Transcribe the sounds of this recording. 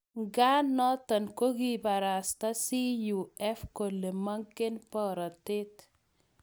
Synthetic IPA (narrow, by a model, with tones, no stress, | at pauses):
ŋɡa˦nɔ˦tɔ˨nko˦ki˦ba˨ɾa˨sta˦si˦ju˨ɛ˦fko˨le˨ma˦ŋke˦npɔ˦ɾɔ˨te˦t